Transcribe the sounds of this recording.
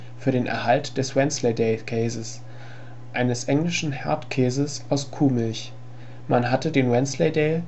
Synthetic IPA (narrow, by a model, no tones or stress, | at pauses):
fyːɐɾeːnʔɛ̰ɐhaltd̥ɛswɛnslɛɪdɛɪkʰɛːzəs | ʔaɪnəsʔɛŋlɪʃn̩hɛɐtkʰɛːzəsʔaʊskʰuːmɪlç | manɦatədeːnwɛnslɛɪdɛː